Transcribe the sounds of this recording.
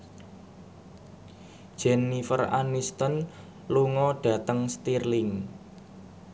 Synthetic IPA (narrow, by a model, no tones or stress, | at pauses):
d̥ʒ̥ɛnːifə̰ra̰nist̪ən | luŋɔɖ̥a̤t̪əŋst̪irlɪŋ